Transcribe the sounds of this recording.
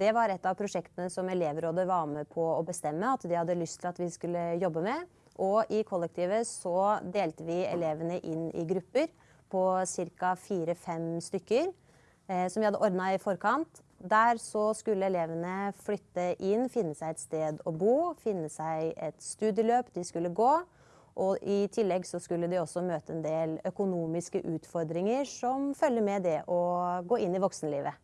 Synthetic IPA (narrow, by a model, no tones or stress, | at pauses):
d̪̥ɛʋɑɾɛt̪ːɑʋpʰɾʊʂɛkt̪ənəsɔmɛleːʋɾoːd̪əʋɑɾməpʰɔɔbəst̪ɛmːəɑt̪d̪ɪhɑd̪ːəlʏst̪ʰɪlɑt̪ʋɪskʉlːəjɔbːəmɛ | ʔɔʔɪkʰɔlːɛk̚t̪ʰiːʋəsɔd̪eːlt̪əʋɪɛ̰leːʋənəʔɪnːɪ̰ɡɾʉpːəɾ | pʰɔsɪɾkɑfiːɾəfɛmst̪ʏkːəɾ | sɔmʋɪhɑd̪ːəʔɔɾd̪nɑɪfɔɾkʰɑnt̪ | d̪æɾsɔskʉlːəɛleːʋənəflʏt̪ːəʔɪnːfɪnːəsæɪɛt̪st̪eːd̪ɔbuːfɪnːəsæɪɛt̪st̪ʉːd̪jəløːpd̪ɪskʉlːəɡoː | ʔɔʔɪt̪ʰɪlːɛɡsɔskʉlːəd̪ɪɔsːɔmøːt̪əɛnd̪eːlœkʊnuːmɪskəʔʉːt̪fɔɾd̪ɾɪŋəʂɔmfœlːəɾmɛd̪ɛʔɔɡoːɪnːɪʋɔksnəliːʋə